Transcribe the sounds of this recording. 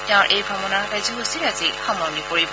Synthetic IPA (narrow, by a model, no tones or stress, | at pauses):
tẽʊ̃ɹʔejbʱɔbɔnaɹkajzɔɦosilazixɔmɔɹnikoɹib